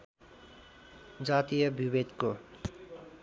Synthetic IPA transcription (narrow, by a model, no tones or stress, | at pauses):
d͡zat̪ijʌbʱibed̪ko